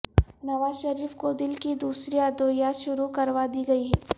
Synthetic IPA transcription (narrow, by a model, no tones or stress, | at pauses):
nɐʋaːzʃɐɾiːfkoːd̪ɪlkid̪uːsɾiad̪oːjaːʃʊɾukɐɾʋad̪iɡɐiɦɛ